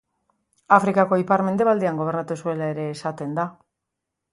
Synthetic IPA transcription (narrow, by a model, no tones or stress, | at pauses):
afɾikako̞ipaɾme̞nd̪e̞βald̪eaŋɡo̞β̞e̞ɾnat̪usue̞lae̞ɾe̞ːsat̪e̞nd̪a